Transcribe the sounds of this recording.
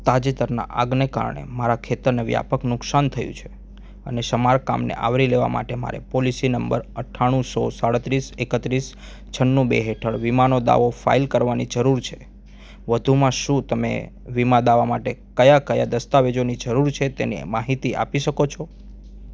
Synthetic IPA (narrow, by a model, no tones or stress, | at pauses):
t̪ad͡ʒet̪əɾna̰ʔaɡneka̰ɾɳḛmaɾakʰet̪əɾneʋja̰pəknʊksant̪ʰəjṵ̃t͡ʃʰe̥ | ə̰neʃəmaɾka̰mnḛʔa̰ʋɾileʋa̰ma̰ʈema̰ɾḛpolisinəmbəɾəʈʰːaɽ̃ũsɔsaɽət̪ɾisekət̪ɾis | t͡ʃʰənːũbḛɦeʈʰəɭʋimanod̪a̰ʋofa̰ilkəɾʋanid͡ʒəɾuɾt͡ʃʰe̥ | ʋəd̪ʱumãʃũt̪əmḛʋimãd̪aʋamaʈekəjakəjad̪əst̪aʋed͡ʒonid͡ʒəɾuɾt͡ʃʰet̪enimaɦit̪iʔa̰piʃəkot͡ʃʰɔ